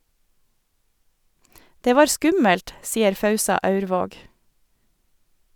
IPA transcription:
ˈdeː ˈʋɑːɾ ˈskʉməlt ˈsiːəɾ ˈfɑʉsɑ ˈɑʉɾˌʋoːɡ

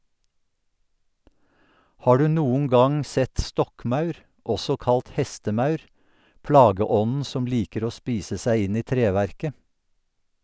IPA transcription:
ˈhɑː ˈɖʉː ˈnuːŋ̍ ˈɡɑŋ ˈsɛt ˈstɔkˌmɑʉɾ ˈʔɔsɔ ˈkɑlt ˈhɛstəˌmɑʉɾ ˈplɑːɡəˌɔnn̩ ˈsɔm ˈliːkəɾ ˈoː ˈspiːsə ˈsæɪ ˈɪn ˈiː ˈtɾeːʋæɾkə

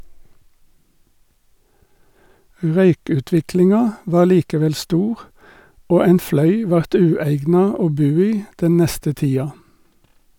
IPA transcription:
ˈʁœʏkʉˌtʋɪklɪŋɑ ˈʋɑː ˈliːkəˌʋɛl ˈstuːʁ ˈoː ˈæɪn ˈflœʏ ˈʋɑʁt ˈʉːæɪɡnɑ ˈoː ˈbʉː ˈiː ˈdɛn ˈnɛstə ˈtiːɑ

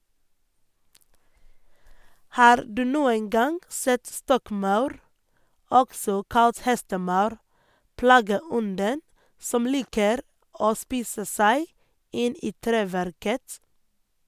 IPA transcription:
ˈhɑːɾ ˈdʉː ˈnuːən ˈɡɑŋ ˈsɛt ˈstɔkˌmɑʉɾ ˈɔksɔ ˈkɑlt ˈhɛstəˌmɑʉɾ ˈpɽɑːɡəˌɔndən ˈsɔm ˈliːkəɾ ˈoː ˈspiːsə ˈsæɪ ˈɪn ˈiː ˈtɾeːʋæɾkət

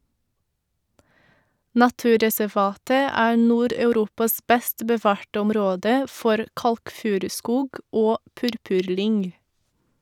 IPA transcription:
nɑˈtʉːɾɛsɛˌʋɑːtə ˈæːɾ ˈnuːɾɑʉˌɾuːpɑs ˈbɛst bəˈʋɑːɾʈə ʊmˈɾoːdə ˈfɔɾ ˈkɑlkˌfʉːɾʉˌskuːɡ ˈoː ˈpʉɾpʉɾˌlʏŋ

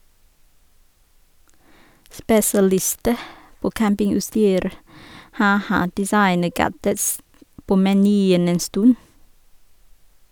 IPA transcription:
spɛsɑˈlɪstə ˈpoː ˈkæmpɪŋʉtˌstyːɾ ˈhɑː ˈhɑ dɪˈsɑɪnəˌɡædəts ˈpoː mɛˈnyːən ˈeːn ˈstʉn

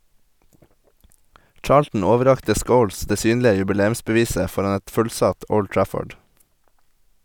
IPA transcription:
ˈt͡ʃɑːɭtn̩ ˈoːʋəˌɾɑktə ˈskəʊls ˈdeː ˈsyːnlɪə jʉbɪˈleːʉmsbəˌʋiːsə ˈfɔɾɑn ˈɛt ˈfʉlˌsɑt ˈɔl ˈʈɹæfɔɖ

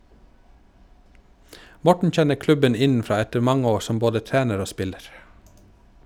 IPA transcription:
ˈmɔʈɳ̩ ˈc͡çɛnə ˈklʉbən ˈɪnn̩ˌfɾɑː ˈɛtəɾ ˈmɑŋə ˈoː ˈsɔm ˈboːdə ˈtæːnəɾ ˈoː ˈspɪləɾ

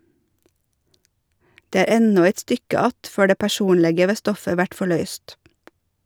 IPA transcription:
ˈdeː ˈæːɾ ˈɛnɔ ˈæɪt ˈstʏkə ˈɑt ˈføː ˈɖeː pæˈʃuːnlɛɡə ˈʋeː ˈstɔfə ˈʋæʈ fɔˈɭœʏst

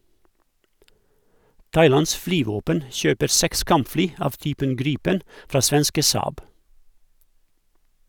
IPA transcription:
ˈtɑɪˌlɑns ˈflyːˌʋoːpən ˈʃøːpəɾ ˈsɛks ˈkɑmpˌflyː ˈɑʋ ˈtyːpən ˈɡɾiːpən ˈfɾɑː ˈsʋɛnskə ˈsɑːb

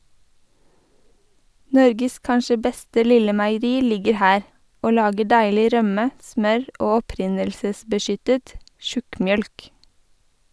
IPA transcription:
ˈnɔɾɡəs ˈkɑnʃə ˈbɛstə ˈlɪlə mæɪəˈɾiː ˈlɪɡəɾ ˈhæːɾ ˈoː ˈlɑːɡə ˈɖæɪlɪ ˈɾœmə ˈsmœɹ ˈoː ɔˈpɾɪnəlsəsbəˌʃʏtət ˈʃʉkmˌjœlk

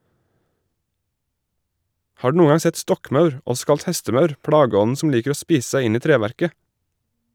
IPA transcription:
ˈhɑː ˈɖʉː ˈnuːŋ ˈɡɑŋ ˈsɛt ˈstɔkˌmɑʉɹ ˈɔs ˈkɑlt ˈhɛstəˌmɑʉɾ ˈpɽɑɡəˌɔn̩ ˈsɔm ˈliːkəɾ ˈoː ˈspiːs ˈsæɪ ˈɪn ˈiː ˈtɾeːʋæɾkə

